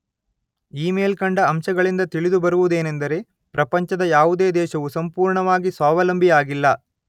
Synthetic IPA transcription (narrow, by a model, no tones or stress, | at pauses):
iːmeːlkɐɳɖɐːmʃɐɡɐɭind̪ɐt̪iɭid̪ubɐɾuʋud̪e̞ːnend̪ɐɾe̞ | pɾɐpɐɲt͡ʃɐd̪ɐjaːʋud̪eːd̪ɛːʃɐʋusɐmpuːɾɳɐʋaːɡisaːʋɐlɐmbʱijaːɡilːɐ